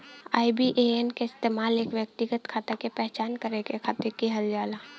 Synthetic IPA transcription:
a̰ːibiʔeenkeɪst̪eːmaːleːkʋjək̚t̪ɪɡət̪kʰaːt̪ekepɛɦt͡ʃaːnkəɾekekʰaːt̪ekiɦɐld͡ʒaːlaː

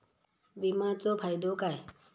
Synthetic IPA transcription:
bimãːt͡soːpʰaːjd̪oːkaːe

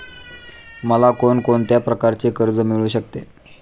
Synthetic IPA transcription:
məlakonkoɳt̪japɾəkaɾt͡sekəɾd͡zəmiɭuːɕəkt̪e

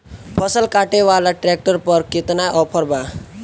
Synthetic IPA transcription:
pʰəsəlkaʈeʋalaʈɾek̚ʈəɾpəɾkɪt̪najʔɔpʰəɾba

